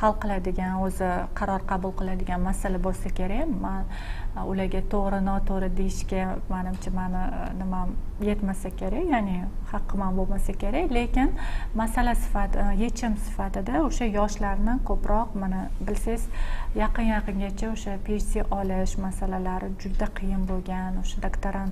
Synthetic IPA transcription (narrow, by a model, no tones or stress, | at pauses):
hɑlˠqʰɨlˠad̪ɪɡʲanɵzɪqʰɑɾɒɾqʰɑbʊlˠqɨlˠad̪ɪɡʲanmasalabolˠsakʲʰe̞ɾaman | ʊlaɾɡʲat̪ʰoʁɾɪnɒt̪ʰoɾɪd̪ejɪʃkʲamanɪmt͡ʃʰamanɪnɪmamje̞t̪masakʲʰe̞ɾakʲjanɪhɑqʰːɨmanbolmasakʲe̞ɾakʲle̞kʲɪnmasalasɪ̥faje̞t͡ʃʰɪmsɪ̥fat̪ɪd̪aʊʃajɒʃlaɾnɪkʰopɾɒqmanabɪlsazjɑqɨnjɑqɨŋɡʲat͡ʃʰaʊʃapʰʲeʃsiʔɒlɪʃmasalalaɾɪd͡ʒʊd̪aqʰɨjɪnbolɡʲanʊʃad̪akt̪ʰaɾan